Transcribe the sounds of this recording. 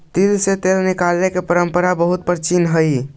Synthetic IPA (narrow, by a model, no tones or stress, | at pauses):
t̪ilset̪elnikalnekepəɾəmpəɾabəɦut̪̚pəɾt͡ʃinɦəj